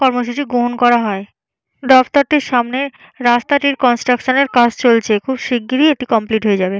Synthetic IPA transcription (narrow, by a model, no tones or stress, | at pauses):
kɔɾmoʃ̬ut͡ɕiɡoɦonkɔɾaɦɔe | ɖ̪ɔft̪oɾt̪eɾʃamne | ɾast̪aʈiɾkɔnsʈɾakʃoneɾkat͡ɕʰt͡ɕolt͡ɕʰekʰubʃiɡːiɾieʈikɔmpliʈɦojed͡ʑabe